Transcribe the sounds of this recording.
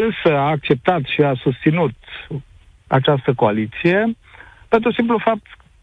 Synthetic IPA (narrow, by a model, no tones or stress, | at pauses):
ɨnsəaːk̚t͡ʃe̞p̚t̪at̪ʃiasust̪sinut̪ | a̰t͡ʃast̪əkoalit̪sije̞ | pent̪ɾusimplufap̚t̪